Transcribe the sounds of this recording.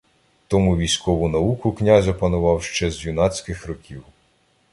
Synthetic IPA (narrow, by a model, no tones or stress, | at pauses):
t̪ɔmuʋʲijsʲkɔʋʊnɐukʊknʲazʲɐpɐnʊʋɑwʃt͡ʃɛzjʊnɑt͡sʲkɪxrɔkʲiw